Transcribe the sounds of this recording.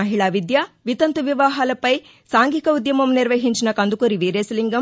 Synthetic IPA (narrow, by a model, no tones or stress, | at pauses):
ɐɦiɭaːʋid̪jɐʋit̪ɐnt̪uʋiʋaːɦaːlɐpɐj | saːŋɡikɐud̪jɐmɐmniɾʋɐɦiɲt͡ʃinɐkɐnd̪ukuɾiʋiːɾeːsliŋɡɐm